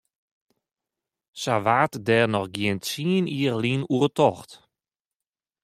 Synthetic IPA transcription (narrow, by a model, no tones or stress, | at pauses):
saʋatdɛːrnɔxɡjɪəntsiəniərlinuərtʰɔxt